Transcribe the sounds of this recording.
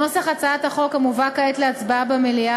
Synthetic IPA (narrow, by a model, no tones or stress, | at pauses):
nosaχat͡saat̪haχo̞khamuvakaet̪leat͡sbaabamelia